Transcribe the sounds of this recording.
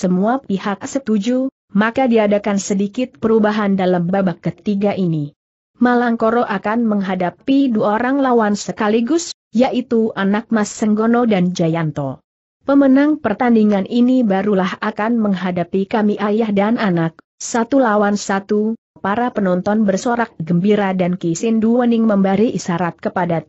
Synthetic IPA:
səmuapihak̚sət̪ud͡ʒu | makadiadakansədikɪt̪̚pəɾubaɦandalambabakːət̪iɡaʔini | malaŋkoɾɔʔakanməŋɦadapiduaoɾaŋlawansəkaliɡʊs | jaʔit̪uʔanak̚masːəŋɡonɔdand͡ʒajant̪ɔ̰ | pəmənaŋpərt̪andiŋanʔinibaɾulahakanməŋɦadapikamiʔajahdananak̚ | sat̪ulawansat̪u | paɾapənɔnt̪ɔnbərsoɾak̚ɡəmbiɾadankisɪnduwənɪŋməmbaɾiʔisaɾat̪̚kəpada

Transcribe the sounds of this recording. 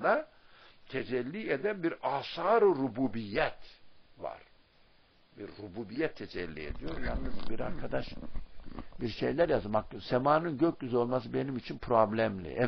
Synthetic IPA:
d̪a | t̪ʰed͡ʒɛlʲːied̪ænbiɾaːsaːɾɯɾubuːbijːɛt̪va̰ɾ̥ | biɾːubuːbijɛt̪ʰːed͡ʒɛlʲːḭḛd̪ijo̞ɾjannɯzbiɾaɾkʰad̪aʃ | biɾʃe̞̰jlʲæɾjazmak̚t̪osemaːnɯnɟøc̚ɟyzo̞lˠmas̬ɯbe̞nimit͡ʃʰinpʰɾoblʲæmlʲḭʔɛ

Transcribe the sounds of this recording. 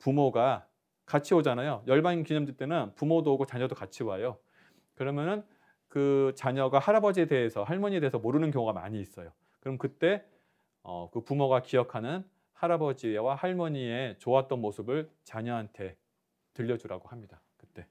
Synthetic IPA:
pumoɡa | kat͡ɕʰiod͡ʑanajojʌɭbaŋkiɲʌmd͡ʑit͈enɯnpumodoɡot͡ɕaɲʌdokat͡ɕʰiwajo | kɯɾʌmjʌnɯn | kɯt͡ɕaɲʌɡahaɾabʌd͡ʑie̞de̞esʰʌhaɭmʌɲie̞de̞esʰʌmoɾɯnɯnkjʌŋoɡama̰ɲiːs͈ʌjo | kɯɾʌmkɯt͈e̞ | ʌ̰kɯpumoɡakijʌkʰanɯn | haɾabʌd͡ʑiwahaɭmʌɲie̞t͡ɕoat͈̚ʌnmosʰɯbɯɭt͡ɕaɲʌɦantʰe̞ | tɯʎːʌd͡ʑuɾa̰ɡohamɲida | kɯt͈e̞

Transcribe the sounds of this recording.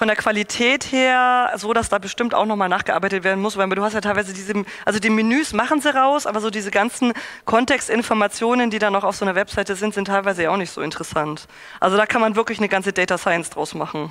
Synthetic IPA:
fɔndeːɐkv̥alitʰɛːtheːɐzoːdasd̥aːbəʃtɪmta̰ʊxnɔχmaːlnaːχɡ̥əʔa̰ːɐbaɪtətv̥eːɐdn̩mʊsvaaduɦhastjatʰaɪvaɪzədiːzəʔalzodiːmɪnyːsmaχn̩ziːʁaʊsʔaːbɐzoːdiːzəɡansn̩kʰɔntɛkstɪnfɔɐmat͡sjoːnəndiːdanoʊxaʊfz̥oːnɐvɛpz̥aɪtəzɪntz̥ɪntʰːaɪlvaɪzəjaːaʊxnɪçtz̥o̰ːɪntəʁəsant | ʔa̰lzodaːkʰanmanvɪɐklɪçnəɡant͡sədɛɪtasaɪənsd̥ʁaʊsmaχn̩

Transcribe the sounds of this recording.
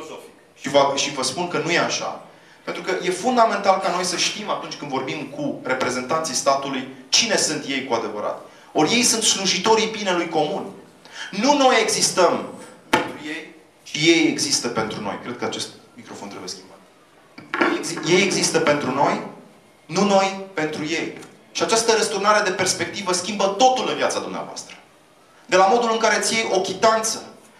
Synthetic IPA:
ʃivəʃivəspunkənuje̞aʃa̰ | pent̪ɾukəje̞fund̪ame̞nt̪alkano̞jsəʃt̪imat̪unt͡ʃʲkɨnd̪vo̞rbimkʰure̞pɾe̞ze̞nt̪ant̪sijst̪at̪ulujt͡ʃine̞sɨnt̪je̞jkuad̪e̞vəɾa̰t̪ | orje̞jsɨnt̪sluʒit̪o̞ɾipinelujko̞mun | nuno̞je̞ɡzist̪əmpe̞nt̪ɾujej | ʃije̞jeɡzist̪əpe̞nt̪ɾuno̞̰jkɾe̞d̪̚kəat͡ʃe̞st̪̚mikɾo̞fo̞nt̪ɾeujeskʲimbat̪ | jejeɡzije̞jeɡzist̪əpe̞nt̪ɾuno̞j | nuno̞jpe̞nt̪ɾuje̞j | ʃiat͡ʃast̪əɾəst̪urnaɾe̞d̪e̞pe̞rspe̞k̚t̪ivəskʲimbət̪o̞t̪ulɨnvijat̪sad̪umnea̰voa̰st̪ɾə̥ | d̪e̞lamo̞d̪ulɨŋkaɾe̞t̪sije̞jʔo̞kʲit̪ant̪sə

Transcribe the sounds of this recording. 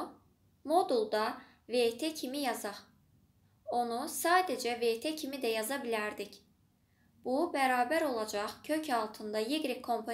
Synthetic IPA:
mo̞d̪ulˠd̪ɑ | vet̪ʰecʰimijɑzɑ | o̞nusaːd̪ed͡ʒɛvet̪ʰecʰimid̪æjɑzɑbilæɾd̪ic | b̥ubæɾaːbæɾo̞lˠɑd͡ʒɑχcʰø̞cʰɑlˠt̪ʰɯnd̪ɑjeɡɾikʰːo̞mpʰo

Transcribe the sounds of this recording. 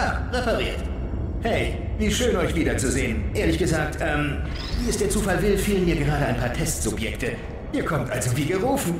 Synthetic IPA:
aʁefɛʁiːɐt | hɛɪ | viːʃøːnʔɔʏçv̥iːdɐt͡suzeːənʔeːɐlɪçɡ̥əzaːk̚tʔɛːm | viːɛstd̥eːɐt͡suːfalvɪlfiːlənmiːɐɡəʁaːɾəʔaɪnpʰaːɐtʰɛstz̥ʊpjɛktʰə | ʔiːɐkʰɔmtʔalzoviːɡəʁuːfn̩

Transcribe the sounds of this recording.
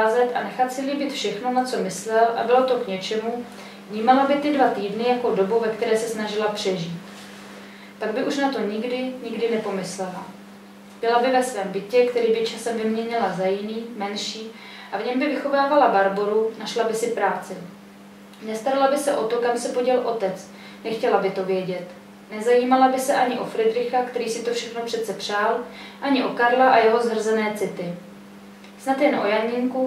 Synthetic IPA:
zɛt̪ʔa̰nɛxat̪sɪliːbɪt̪fʃɛxnonat͡so̞mɪslɛlʔa̰bɪlo̞t̪o̞kɲɛt͡ʃɛmu | vɲiːmalabɪt̪ɪdvat̪iːdnɪjako̞do̞buvɛkt̪ɛɾɛːsɛsnaʒɪlapr̝̥ɛʒiːt̪ | paɡ̚bɪʔuʃnat̪o̞ɲɪɡdɪɲɪɡdɪnɛpo̞mɪslɛla | b̥ɪlabɪvɛsvɛːmbɪcɛkt̪ɛɾiːbɪt͡ʃasɛmvɪmɲɛɲɪlazajɪniːmɛnʃiː | ʔavɲɛmbɪvɪxo̞vaːvalabaɾbo̞ɾunaʃlabɪsɪpɾaːt͡sɪ | nɛst̪aɾalabɪsɛʔo̞t̪o̞kamsɛpoɟɛlʔo̞t̪ɛt͡s | nɛxcɛlabɪt̪o̞vjɛɟɛt̪ | nɛzajiːmalabɪsɛʔaɲɪʔo̞fɾɛdɾɪxakt̪ɛɾiːsɪt̪o̞fʃɛxnopr̥ɛt̪sɛpr̝̥aːlʔaɲɪʔo̞kaɾlaʔajɛɦo̞zɦr̩zɛnɛːt͡sɪt̪ɪ | snat̪jɛnʔo̞jaɲɪŋku

